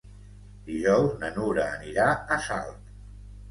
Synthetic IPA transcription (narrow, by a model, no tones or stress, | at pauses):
d̪̥iʒɔwznənuɾəːniɾaəsa̰lˠt̪